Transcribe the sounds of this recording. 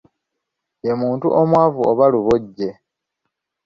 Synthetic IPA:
emuːntuʔomwaːvuoβaluβoɟːe

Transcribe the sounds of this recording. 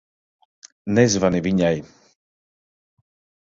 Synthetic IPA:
nɛzvaniviɲaj

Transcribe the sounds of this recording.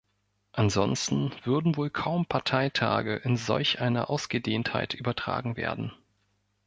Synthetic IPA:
ʔanzɔ̰nstn̩v̥ʏɐdn̩voːlkʰaʊmpʰaɐtʰaɪtʰa̰ːɡəʔɪnzɔ̰lçʔaɪnɐ̰ʔaʊsɡ̥ədeːntha̰ɪtʔyːbɐtʁ̥a̰ːɡŋ̩vḛːɐdn̩

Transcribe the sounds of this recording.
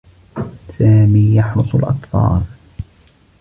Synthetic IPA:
saːmiːjɑħɾʊsˤʊlʔɑ̰t̪ˤfɑ̰ːl

